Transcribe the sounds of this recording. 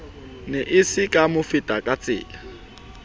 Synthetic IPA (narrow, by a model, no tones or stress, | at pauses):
nɛʔɪsɪkʼamʊfɪtʼakʼat͡sʼɪ̰ːla